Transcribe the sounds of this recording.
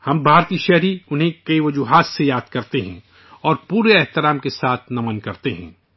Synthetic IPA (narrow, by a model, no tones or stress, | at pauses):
hɐmbʱaːɾt̪iːʃɛɦɾiʊnɦẽkɐiʋɐd͡ʒuɦaːsːejaːd̪̥̚kɐɾt̪eɦɛ̰̃ | ɔːɾpuːɾeɛɦt̪ɪɾaːmkesaːt̪ʰnɐmənkɐɾt̪eɦɛ̰̃ː